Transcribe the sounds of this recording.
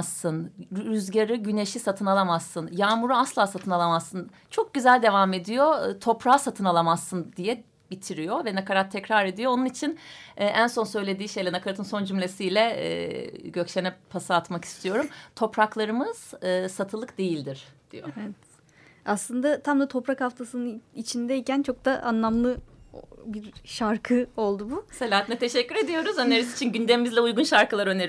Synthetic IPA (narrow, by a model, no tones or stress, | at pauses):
sːɯnɾyzɟaɾɯɟyneʃisat̪ʰɯnalˠamazːɯnjaːmuɾuaslˠaːsat̪ʰɯnalˠamaz̥sɯn | t͡ʃʰo̞k̚ɟyzælʲd̪e̞vame̞d̪ijo̞t̪ʰo̞pɾaːsat̪ʰɯnalˠamazːɯnd̪ijɛ | bit̪ʰiɾijo̞vɛnakaɾat̪ʰːɛcɾaɾe̞d̪ijo̞onunit͡ʃʰinɛːʔænso̞nsø̞jlʲe̞d̪iːʃe̞jlʲɛnakʰaɾat̪ɯnso̞nd͡ʒymlʲe̞sijlʲɛɛ̰ːɟøcʃenɛpʰasaːt̪maki̥st̪ʰijo̞ɾumt̪ʰo̞pɾaklˠaɾɯmɯz̥ɯːsat̪ʰɯlˠɯkd̪e̞jilʲd̪iɾ̥d̪̥ḭjoeɛt̪ | aslˠɯnd̪at̪ʰamd̪at̪ʰo̞pɾakhaft̪ʰasɯnɯit͡ʃʰind̪ɛicænt͡ʃʰo̞k̚d̪aʔanlˠamlˠɯ | biɾʃaɾkʰɯo̞lˠd̪ubuselʲaːat̪inɛt̪ʰeʃɛcːyɾe̞d̪ijo̞ɾuzøneɾizit͡ʃʰinɟynd̪emimizlʲɛujɡunʃaɾkɯlˠaɾø̞neɾ